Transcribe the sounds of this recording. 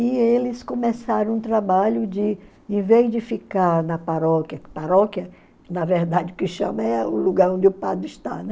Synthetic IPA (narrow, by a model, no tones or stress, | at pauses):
ɪelɪskõmesaɾɐ̃w̃ũt̪ɾabaʎʊd͡ʒɪ | ẽvezd͡ʒɪfikaɾnɐpaɾɔkjɐpaɾɔkjɐ | nɐveɾd̪ad͡ʒɪʊkɪʃɐ̰̃mɐɛʊluɡaɾõd͡ʒɪʊpa̰d̪ɾʊɪʃt̪a̰nɛ̃